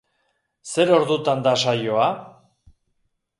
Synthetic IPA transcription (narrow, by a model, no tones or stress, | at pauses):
se̞ɾo̞ɾðut̪and̪aʃ̬ajo̞a